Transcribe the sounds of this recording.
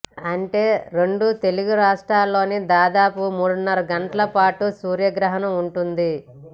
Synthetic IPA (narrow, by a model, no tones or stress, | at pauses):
ɐɳʈe̞ːɾeɳɖut̪e̞luɡuɾaːʂʈɾaːlːo̞ːnid̪aːd̪aːpumuːɽunːɐɾɐɡɐɳʈɐlɐpaːʈusuːɾjɐɡɾɐɦɐnɐmuɳʈund̪i